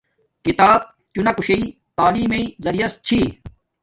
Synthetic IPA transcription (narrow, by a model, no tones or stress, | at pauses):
kit̪aːb̚ | t͡ɕunɐkuɕei | t̪aːliːmeizɐɾijɐst͡ɕʰiː